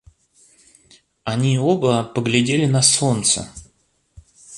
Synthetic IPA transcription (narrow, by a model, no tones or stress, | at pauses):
ɐnʲiobəpəɡlʲɪdʲelʲɪnɐso̞nt̪sə̰